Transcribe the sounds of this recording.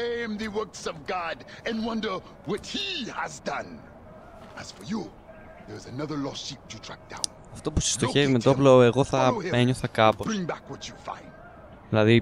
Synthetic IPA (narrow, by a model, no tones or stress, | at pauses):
ẽɪmðɨwɜ˞ksʌvɡɑdɨ̃nwʌ̃ndə˞ | wʌt̚hiəzdʌ̃n | əz̥fə˞ju | ðə˞zənʌðə˞lɔsip̚tʰətʰɹ̥æk̚d̥ã̰ʊ̃n | ɐft̪o̞pusi̥st̪o̞çe̞vimet̪oploeɣo̞θɐeɲoθɐkɐpobɹɪ̃ŋbækwʌt͡ʃufã̰ɪ̃nd̥ | ðilɐði